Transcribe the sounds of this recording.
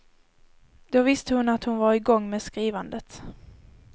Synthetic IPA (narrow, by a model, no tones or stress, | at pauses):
d̪ovɪst̪əhʊnat̪hʊnvaɾɪɡɔŋːmeːskɾiːvand̪ət̪